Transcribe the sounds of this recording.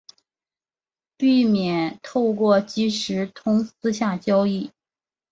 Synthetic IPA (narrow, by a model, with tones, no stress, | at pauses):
pi˥˩mjɛ˨˩˦nt̪ʰo˥˧ʊkwɔ˥˩t͡ɕi˥ʂɻ̩˧˥t̪ʰʊ˧˥ŋsɹ̩˥ɕja˥˩t͡ɕjɑ˥ʊi˥˩